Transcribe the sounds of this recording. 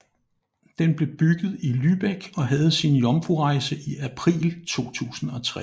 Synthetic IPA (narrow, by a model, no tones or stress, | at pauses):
d̥enb̥le̝b̥yɡ̥ð̞̩ˠilyb̥eɡ̥ɒ̽ɦæð̞̩ˠsinjɒ̽mfuʁɑ̈ɪsəʔiæpʰʁḭːlt͡sʰo̝̰ːt͡sʰṵːsn̩ɒ̽t͡sʰʁɛ